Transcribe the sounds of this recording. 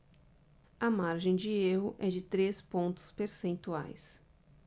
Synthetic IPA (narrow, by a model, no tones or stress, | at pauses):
ɐmaɾʒẽj̃d͡ʒɪeɦʊʔɛd͡ʒɪt̪ɾespõnt̪ʊ̥speɾsẽnt̪ua̰js